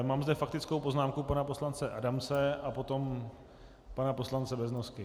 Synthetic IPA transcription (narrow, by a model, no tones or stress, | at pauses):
maːmzdɛfak̚t̪ɪt͡skowpo̞znaːmkupanapo̞slant͡sɛʔa̰damt͡sɛapo̞t̪o̞m | panapo̞slant͡sɛbɛznoskɪ